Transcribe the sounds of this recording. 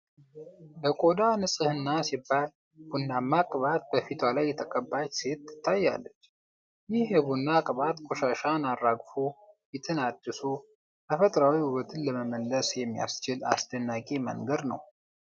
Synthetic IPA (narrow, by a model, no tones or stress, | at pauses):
bəkʼod̪anɨsʼɨhɨnːasibːal | b̥unːamakʼβat̪̚bəfit̪ʰwalajːɛt̪ʰəkʼəbːat͡ʃːse̞t̪ːɨ̥t̪ʰːajːa̰lːət͡ʃː | jɪhjɛβunːakʼβat̪kʰʼoʃaʃanarːaɡfujɛt̪ʰɨnad̪ːɨsu | k̪ʰəfət̪ʼɾawihuwət̪ʰɨnləməməlːəsjɛmːija̰st͡ʃɪla̰sd̪ənːakʼemə̰ŋɡəd̪nə̰w